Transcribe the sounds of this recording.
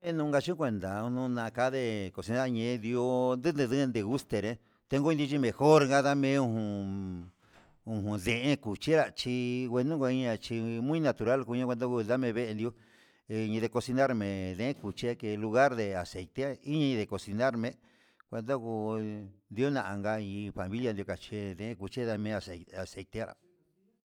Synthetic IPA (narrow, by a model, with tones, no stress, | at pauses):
mẽ˦nũ˧ŋɡa˧t͡ʃiũ˦kʷe˧nd̪a˨u˧nũ˧nã˧ka˧˦ðe˧˨ko˨si˧na˦ɾɲẽ˧d̪i˧o˦nd̪ɨ˦nd̪ɨ̃˧ðɨ˦˧nd̪e˧ɣu˦st̪e˨ɾẽ˧ | t̪e˧˦ŋɡõ˦˧nd̪i˧t͡ʃi˧mẽ˨xo˦ɾɡa˦ða˦mẽ˧˦ũ˧hũ˧ | ũ˧˨ɦũ˧ðe˧ʔẽ˦ku˨t͡ʃi˦ɾa˧t͡ʃi˧ɣwe˧nũ˦kʷa˧i˦ɲã˧t͡ʃi˧mũ˦ĩ˦nã˧t̪u˨ɾa˦lku˧ɲã˧˦kʷe˧d̪o˦ku˧ða˦mẽ˧βe˦e˧nd̪jo˦˧ | ɲĩ˧ðe˧ko˧si˧na˦ɾmẽ˨ðẽ˨˦ẽ˦ku˨t͡ʃi˦a˧ke˧lu˧ɣa˦ɾðe˧a˨se˨jt̪e˦i˦ɲã˧ɲĩ˧ðe˨ko˧˨si˧na˦ɾmẽ˧ | kʷe˧nd̪o˦ku˧nd̪jo˦nã˨ʔã˨˧ŋɡa˧ĩ˧ɸa˨mĩ˦lja˧nd̪jo˧ka˨t͡ʃi˧ðẽ˧˨ẽ˦ku˨t͡ʃi˦ða˦mẽ˧a˧˨se˧a˨se˨jt̪e˦˧ɾa̰˨